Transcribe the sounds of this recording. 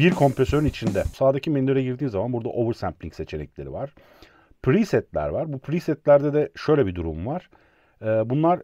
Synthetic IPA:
biɾkʰo̞mpɾesø̞ɾynit͡ʃʰind̪ɛ̥saːd̪acʰimenløɾaɟiɾd̪iːnzamanbuɾd̪a̰ʔo̞vɯɾsæmplʲiŋcset͡ʃʰe̞nɛ̰clʲe̞ɾḭvaɾ̥ | pʰɾisɛt̪lʲæ̰ɾvaɾbupʰɾisɛt̪lʲæɾd̪ɛd̪ɛʃø̞jlʲɛbid̪uɾumvaɾ̥ | ɛːbunlˠaɾ

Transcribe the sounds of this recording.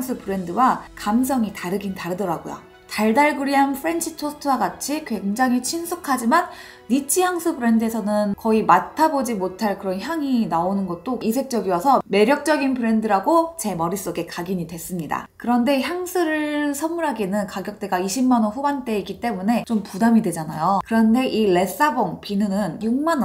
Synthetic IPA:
ŋsʰɯpɯɾe̞ndɯwakams̬ʰʌŋitaɾɯɡintaɾɯdʌɾaɡo̰jo̰ | taɭdaɭɡɯɾiɦanpʰɯɾe̞nt͡ɕʰitʰostʰɯwaɡat͡ɕʰikwe̞ŋd͡ʑaŋɦit͡ɕʰinsʰukʰad͡ʑimanː | it͡ɕʰijaŋsʰɯbɯɾe̞nde̞sʰʌnɯnkʌimatʰabod͡ʑimotʰaɭkɯɾʌnçjaŋinaonɯnɡʌt̚t͈oisʰe̞k̚t͡ɕ͈ʌɡiwʌsʰʌme̞ɾjʌk̚t͡ɕ͈ʌɡinpɯɾe̞ndɯɾaɡot͡ɕe̞mʌɾis͈oɡe̞kaɡiɲidwe̞s͈ɯmɲida̰kɯɾʌnde̞çjaŋsʰɯɾɯɭsʰʌmːuɾɦaɡenɯnkaɡjʌk̚t͈e̞ɡaiɕʰimːanwʌnɸubant͈e̞ik͈it͈e̞mune̞t͡ɕompudamidwe̞d͡ʑanajokɯɾʌnde̞ʔile̞s͈aboŋpinɯnɯnjuŋ̚manʌ

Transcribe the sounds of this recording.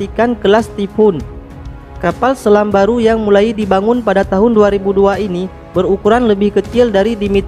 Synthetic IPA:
ikankəlast̪ifʊn | kapalsəlambaɾujaŋmulaidibaŋʊnpadat̪aɦʊnduaɾibuduaini | bərukuɾanləbɪhkət͡ʃɪldaɾidimit̪

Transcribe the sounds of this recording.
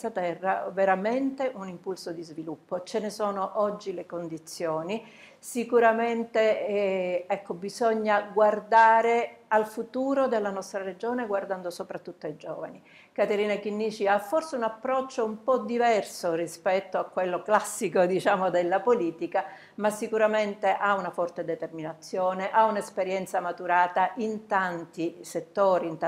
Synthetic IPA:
at̪ɛrːaveɾament̪eʔunimpulsod̪izvilupːot͡ʃenesoːnoʔɔd͡ʒːilekond̪it̪sːjoːni | sikuɾament̪e | ɛkːobizɔɲːaɡward̪aːɾealfut̪uːɾod̪elːanɔst̪ɾaɾed͡ʒoːneɡward̪and̪osopɾat̪ːut̪ːoaid͡ʒɔ̰ːva̰ni | kat̪eɾiːnakinːiːt͡ʃiafːorseunapːɾɔt͡ʃːoumpɔd̪ivɛrsorispɛt̪ːoakːwelːoklasːikod̪it͡ʃaːmod̪elːapoliːt̪ika | masːikuɾament̪eʔaunafɔrt̪ed̪et̪erminat̪sːjoːneʔaunespeɾjɛnt̪samat̪uɾaːt̪aʔint̪ant̪iset̪ːoːɾint̪

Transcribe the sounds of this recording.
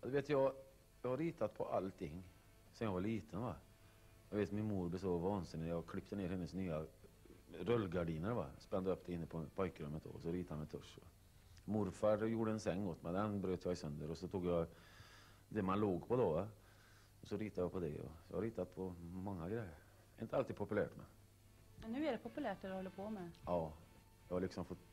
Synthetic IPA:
d̪ɛveːt̪jɑɡ | jɑːhaɾːiːt̪ʰat̪pʰɔʔalt̪ʰɪŋː | sɔmjɑvaɭiːt̪ʰənva | jɑɡveːt̪mɪnmuːɾblɛsɔvɑːnsɪnːɪjɑɡkʰlɪpt̪əneːɾhɛnːəsnyːa | ɾœlːɡaɖiːnəɾva̰spɛnd̪əœp̚d̪ɛɪnːəpʰɔpʰɔjkəɾɵmːət̪̚d̪ɔ̰ɔsɔɾiːt̪ahanmɛnt̪ʰɵʂɔ | mʊɾfaɾjuːɖəɛnsɛŋːɔt̪ːmɛnd̪ɛnbɾøːt̪əjɑːɪsœnd̪əɾɔsɔt̪ʰuːɡjɑ | d̪ɛmanloːɡpʰɔd̪ɔva | ɔsɔɾiːt̪ajɑpʰɔd̪ɛɔ̰jɑ̰haɾiːt̪at̪̚pʰɔmɔŋːaɡɾɛjːəɾ | ɪ̰nt̪əalt̪id̪pʰɔpɵlæ̰ːʈmɛ̰ | mɛnːʉ̟ːæɖɛpʰʊpɵlæːʈ̪ɛɛhɔlːəɾpʰɔmɛɑː | jɑhaɭɪksɔmfɔt̪

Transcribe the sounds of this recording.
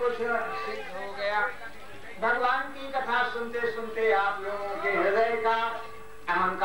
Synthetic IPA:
osʰɪɾəsɪd̪ɦoɡəjaː | bʱəɡʋaːnkikət̪ʰasʊnt̪esʊnt̪eaːploːɡõkeɦeləeka | ɛmənk

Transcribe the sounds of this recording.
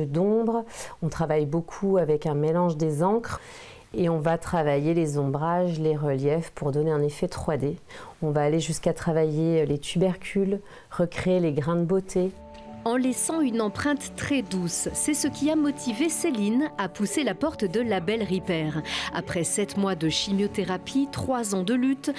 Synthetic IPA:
d̪ɔ̃bʁɔ̃t̪χavajbokʰuavɛkɛ̃melɑ̃ʒd̪ezɑ̃kχ | eɔ̃vat̪χavajelezɔ̃bʁaʒleʁəljɛfpuʁd̪ɔneɛ̃nefɛt̪χwad̪eɔ̃vaːleʒyskat̪χavajelet̪ʰybɛʁkʲʰyl | ʁəkχeːleɡʁɛ̃d̪əbot̪ʰe | ɑ̃lɛsɑ̃ynɑ̃pχɛ̃t̪ːχɛd̪usːɛsəkʲiamɔt̪ʰiveselinapuselapɔʁt̪d̪əlabɛlʁipɛːʁa̰pχɛsɛt̪mwad̪əʃimjot̪eʁapʰit̪χwazɑ̃d̪əlyt̪

